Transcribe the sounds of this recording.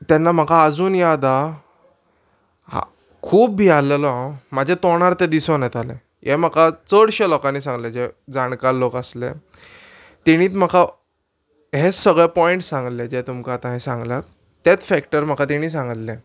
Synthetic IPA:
t̪janːam̤akaəd͡zuːnjad̪a | a̰ | kʰuːbːiːalelɔɦãmad͡ʑʱet̪ɔɽ̃aɾt̪ɛd̪isonẽt̪alḛ̃ | jem̤akat͡səɽɕelɔkãnːiːsãŋɡled͡ʑed͡zaɽkallokəslḛ | t̪ɛɽ̃iːt̪m̤əka | ɦesəɡɭepɔiɳʈsãŋɡled͡ʑet̪umkat̪ãɦĩsãŋɡla | t̪ːet͡sfɛkʈəɾm̤akat̪eɽ̃iːs̬ãŋɡəllẽ

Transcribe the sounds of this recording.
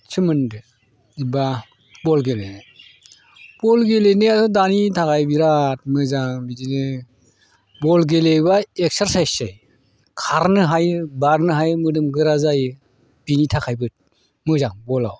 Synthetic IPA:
t͡ʃɯmɯndɯ | iba | bɔlɡele | b̥ɔlɡelenɯatʰɔdanitʰakʰajbiɾat̚mɯzaŋbidinɯ | bɔlɡelebaek̚saɾsajsaj | kʰaɾnɯɦajbaɾnɯɦajmɯdɯmɡɯɾazaj | b̥initʰakʰajbɯt̚ | mɯzaŋbɔla̰w

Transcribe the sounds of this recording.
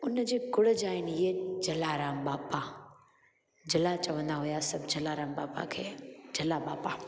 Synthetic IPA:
ʊnd͡ʑeːkʊɽəd͡ʑaːɦɪnɪiːed͡ʑɐlaːɾaːmbaːpa | d͡ʑɐlat͡ɕɐʋə̃nd̪aɦujasɐbʱd͡ʑɐlaːɾãːmbaːpa̰kʰeːd͡ʑɐlabaːpa

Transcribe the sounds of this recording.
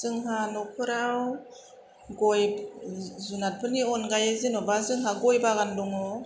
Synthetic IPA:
zɯŋɦanɔkʰɯɾaw | ɡɔj | zunat̚pʰɯniɔnɡajezinɔbazɯŋɦaɡɔjbaɣandɔŋɔ

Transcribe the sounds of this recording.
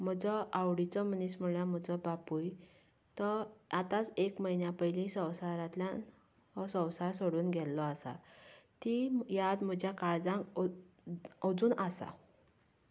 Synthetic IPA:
m̤ɔd͡zɔʔawɽit͡sɔm̤ənism̤uɭam̤ɔd͡zɔbapuj | t̪ɔat̪at͡sekməinjapəjlĩsə̃wsaɾãt̪ljã | ɔsə̃wsaɾsoɽuːnɡʱɛlːɔasa̰t̪ijad̪m̤əd͡ʑjakaɽd͡zã | ɔd͡zuːnʔasa̰

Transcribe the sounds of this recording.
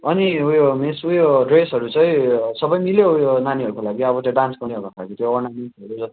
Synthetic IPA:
ʌniujomisujoɖresɦʌɾut͡sʌj̃sʌbʌjmiljoujonaniɦʌɾukolaɡiʌbʌt̪joɖanskʌniɦokaaɡit̪joːnaminsʌɾud͡zʌt̪

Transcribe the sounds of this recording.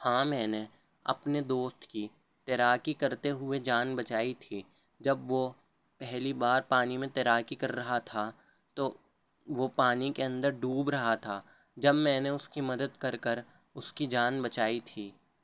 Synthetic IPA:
hãːmɛ̃ːne | ɐ̰pned̪oːst̪ki | t̪eɾaːkikɐɾt̪eɦʊed͡ʒaːnbɐt͡ʃaːit̪ʰiː | d͡ʒɐbʋo | pɛɦlibaːɾpaːnimẽt̪eɾaːkikɐɾːɐɦat̪ʰa | t̪o | ʋopaːnikeɐ̃nd̪əɾɖuːbɾɐɦat̪ʰaː | d͡ʒɐbmɛ̃ːneʊskimɐd̪əd̪kɐɾkəɾ | ʊskid͡ʒaːnbɐt͡ʃaːit̪ʰiː

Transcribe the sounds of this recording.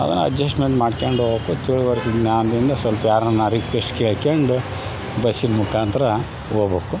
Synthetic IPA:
ɐ̰d̪ɐ̰nːɐ̰d͡ʒɐsʈmeɳʈmaːɖkeɳɖoːboːkut̪ʰiːɭʋɐɾiɡnaːnd̪ind̪ɐsʋɐlpɐjaːɾnɐnːaɾikʋesʈkeːɭkeɳɖu | bɐsinmukʰaːnt̪ɐɾɐ | oːbeːku

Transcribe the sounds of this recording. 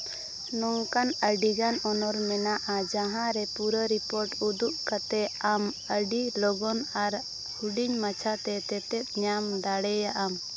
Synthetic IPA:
nɔŋkanəɖiɡanɔnɔɾmɛnaʔad͡ʒaɦãɾɛpuɾəɾipɔɾʈud̪uʔkat̪ɛam | əɖilɔɡɔnaɾ | huɖiɲmat͡ʃʰat̪ɛt̪ɛt̪ɛt̪̚ˀɲamd̪aɽɛjaʔam

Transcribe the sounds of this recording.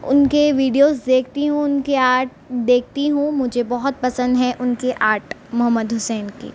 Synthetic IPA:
ʊ̰nkeʋiːɖijoːzd̪eːk̚ʰt̪iɦũʊnkeaːɾʈ̚ʰ | d̪eːk̚ʰt̪iɦũmʊd͡ʒʱebɔɦɔt̪̚pɐsə̃nd̪ɦɛ̃ʔʊnkeʔaːɾʈmʊɦəmːəd̪ɦʊsɛːnkḭː

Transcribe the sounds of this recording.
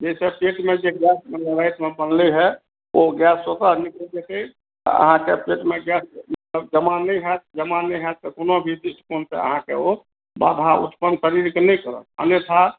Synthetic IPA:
d͡ʒesepeʈmed͡ʒeɡjɛsmeləɾajt̪mebənliɦɛ | oɡjɛsːot̪ənikəld͡ʒet̪ɛ̰ | ə̰ɦãkepeʈmeɡjɛsmət̪ləb̚d͡ʒəmanɛjɦɛt̪̚d͡ʒəmanɛjɦɛt̪̚t̪əkonobʱid̪iʈkonsḛə̰ɦãkḛo | ba̰d̪ʱaṵt̪pənsəɾiɾkenɛjkəɾə̰k̚ə̰njet̪ʰa

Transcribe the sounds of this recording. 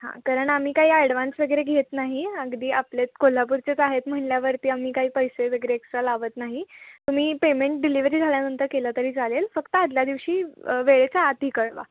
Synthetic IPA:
ɦã̰kaɾəɳam̤iːkaɦiːaɽʋãnsʋəɡəɾeɡʱet̪naɦiəɡd̪iːaplet͡s̪̚kol̤ap̬uɾt͡ɕet͡saɦet̪m̤əɳljaʋəɾt̪iːam̤iːkaɦiːpəjseʋəɡəɾeːksʈɾalaʋət̪naɦit̪um̤iːpemẽɳʈ̚ɖiliʋɾiːd͡zʱaljanənt̪əɾkelət̪əɾiːt͡salelfəkt̪əad̪ljad̪iʋɕiːʋeɭet͡saːt̪iːkəɽʋa̰

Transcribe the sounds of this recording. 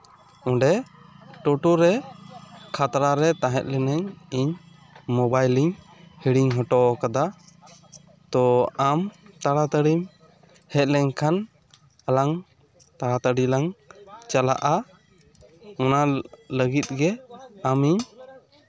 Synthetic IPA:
ɔ̃ɖɛʈɔʈuɾɛ | kʰat̪ɾaɾɛt̪aɦɛt̪̚lɛnɛɲiɲ | mɔbajliɲ | hiɽiɲɦɔʈɔkad̪a | t̪ɔamt̪aɽat̪əɽim | hɛt̪̚lɛɲkʰan | alaŋ | t̪aɽat̪əɖilaŋt͡ʃala̰ʔa | ɔnaləɡit̪̚ɡɛamiɲ

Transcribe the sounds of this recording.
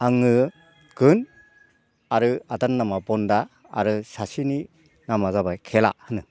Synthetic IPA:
aŋːɯ | ɡɯn | aɾɯadanːamabɔnda̰ː | ɾɯsasini | namazabajkʰela̰ʔhɯnɯ

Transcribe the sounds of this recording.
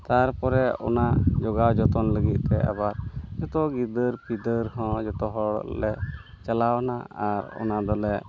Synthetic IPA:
t̪aɾpɔɾɛɔ̰nad͡ʒɔɡawd͡ʒɔt̪ɔnləɡit̪̚t̪ɛʔa̰baɾd͡ʒɔt̪ɔɡid̪əɾpid̪əɾɦɔ̃d͡ʒɔt̪ɔɦɔɽ̰lɛ | t͡ʃalawnaaɾɔ̰nad̪ɔlɛ

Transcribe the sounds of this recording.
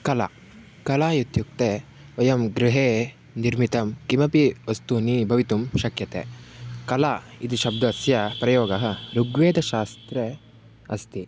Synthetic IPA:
kɐla̰ː | kɐlaːjut̪juk̚t̪eː | ʋɐjɐmɡɾiɦeː | niɾmit̪ɐmkimɐpiʋɐst̪uniːbʱɐʋit̪umʃɐkjɐt̪ḛːkɐlaːid̪uʃɐbd̪ɐsjɐpɾɐjoːɡɐɦɐ̆ɾuɡʋeːd̪ɐʃaːst̪ɾe | ɐst̪i

